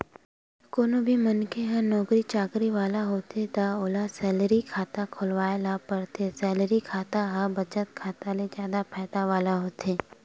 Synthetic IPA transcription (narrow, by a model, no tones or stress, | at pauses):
koːnobʱimɐnkeɦə̃nɔːkɾit͡ʃaːkɾiʋaːlaɦoːt̪et̪aoːlasɛːləɾikʰaːt̪akʰolʋaːelapəɾt̪ʰesɛːləɾikʰaːt̪aɦəbɐt͡ʃət̪̚kʰaːt̪aled͡ʒjaːd̪apʰɛːd̪aʋaːlaɦoːt̪eː